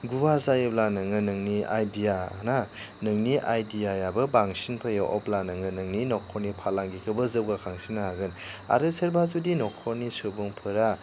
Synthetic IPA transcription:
ɡuwaɾzajɯblanɯŋɯnɯŋnia̰jdija̰na | nɯŋniʔajdijajabɯbaŋsinpʰajaʔɔp̚lanɯŋɯnɯŋninɔkʰɔɾnipʰalaŋɡikʰɯbɐzɯwɡakʰaŋsinaɦaɡɯna̰ɾɯseɾbazudinɔkʰːɔɾnisobɔŋpʰɯɾa

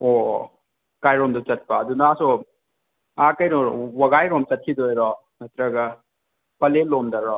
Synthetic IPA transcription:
o | kajɾomdɐt͡ʃɐt̚pɐːdunaaso | akɐjnoɾwɐɡajɾomt͡ʃɐt̚kʰidojɾɔ | mɐt̪ɾɐɡɐ | pɐlelomdɐɾɔ

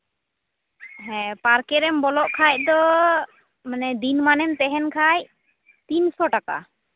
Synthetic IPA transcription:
ɦɛ̃paɾkɛɾɛmbɔlɔʔkʰaj̚d̪ɔ | manɛd̪inmanɛmt̪ɛɦɛnkʰaj | t̪insɔʈaka̰

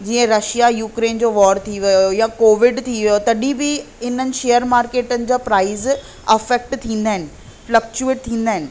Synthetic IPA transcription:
d͡ʑiːə̃ɾɐʃijajuːkɾeːnd͡ʑoːʋɔːɾt̪ʰiʋɐjjojakoːʋɪɖt̪ʰiʋijot̪ɐɗibɪ | ɪn̤ənɪ̆ʃejəɾmaːɾkeːʈənɪ̆d͡ʑaːpɾaːɪz | ɐfɛk̚ʈt̪ʰĩːnd̪aːɦɪnɪ̆ | flɐk̚t͡ɕueːʈ̚t̪ʰĩːn̆d̪aːɦɪnɪ̆

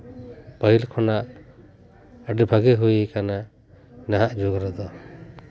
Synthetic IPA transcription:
pəɦilkʰɔnaʔ | əɖɛbʱaɡɛɦujikana | naɦaʔd͡ʒoɡɾɔd̪ɔ

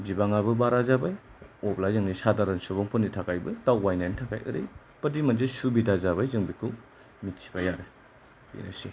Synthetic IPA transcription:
bibaŋabɯbaɾazabajɔplazɯŋnisadaɾansobɔŋpʰɔnːitʰakajbɯtawwajnajntʰaka̰jʔɯ̰ɾɯj | pɐdimanzesubidazabajzɯŋbikʰu | mitsʰi̥bajaɾe | bḭna̰si

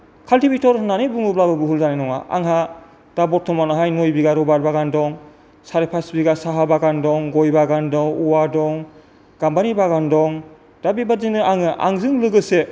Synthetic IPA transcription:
kʰaltibitɔɾnanebuŋɯblabɯbɯɦulzanenɔŋa̰ʔa̰ŋɦa | d̥abɔtʰɔmanaɦajnojbiɡaɾɔbaɾbaɡandɔŋ | saɾepʰasbiɡasaɦabaɡandɔŋɡɔjbaɡandɔŋuwadɔŋ | ɡ̥ambanibaɡandɔŋ | d̥abibazinɯaŋɯʔa̰ŋzɯŋlɯɡɯse

